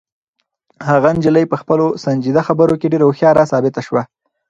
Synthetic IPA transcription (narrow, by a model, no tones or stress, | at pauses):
haɣand͡ʒɪləjpəxpəlosand͡ʒid̪axabəɾokeɖeɾaoxjɑɾasɑbɪt̪aʃwa